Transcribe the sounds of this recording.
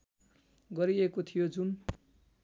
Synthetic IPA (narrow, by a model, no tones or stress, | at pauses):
ɡʌɾiekot̪ʰijod͡zun